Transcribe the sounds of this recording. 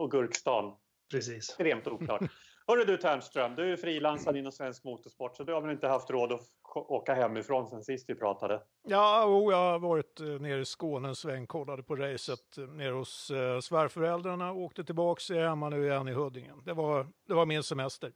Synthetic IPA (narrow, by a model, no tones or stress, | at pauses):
ɔɡɵɾkst̪ɑːn | pʰɾɛsiːst̪ɾeːmt̪uːk̪ɑ̰ʈ | hœɖəd̪ɵt̪ʰæmst̪ɾœmːd̪ɵæjʉfɾiːlansad̪ɪnɔnsvɛnskmuːt̪ɔʂpɔʈːsɔd̪ɵhaɾvɛnɪnt̪əhaft̪ɾoːd̪ɔ | kɔoːkaɦɛmːɪfɾoːnsɛnsɪst̪vɪpʰɾɑ̰ːt̪ad̪ə | jɑːjuːjɑvɑːɾɪt̪neːɾɪskoːnənsvɛŋːkʰɔlːad̪əpʰɔɾɛjsət̪neːɾhʊsːvæɾfœɾɛld̪ɾaɳaoːkt̪ət̪ʰɪlbɑːkshɛmːanʉ̟ːɪjɛnːɪɦɵd̪ːɪŋənd̪ɛvad̪ɛvaɾmɪnsɛmɛst̪əɾ